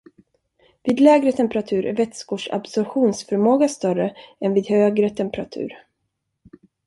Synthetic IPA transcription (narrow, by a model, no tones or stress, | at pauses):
viːd̪lɛːɡɾət̪ʰɛmpɛɾat̪ʰʉ̟ːɾʔæ̰ɾvɛt̪skoːʂa̰bsɔɾɧuːnsfœɾmoːɡast̪œɾəɛnviːd̪høːɡɾət̪ʰɛmpɾat̪ʰʉ̟̰ːɾ